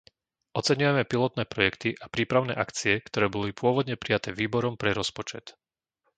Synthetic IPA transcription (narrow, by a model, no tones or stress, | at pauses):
ʔɔt͡sɛɲujɛmɛpilɔt̪nɛːpɾɔjɛkt̪iʔapɾiːpɾaʊnɛ̰ːʔakt͡siɛkt̪ɔɾɛːbɔlipʊɔʋɔd̪ɲɛpɾijat̪ɛːʋiːbɔɾɔmpɾɛɾɔspɔt͡ʃɛt̪